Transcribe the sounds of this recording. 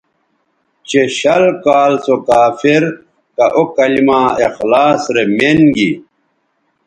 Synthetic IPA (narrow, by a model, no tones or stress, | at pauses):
t͡ɕeɕɐlkaːlsokaːfiɾ | kɐʔokɐlimaːexlaːsɾemenɡi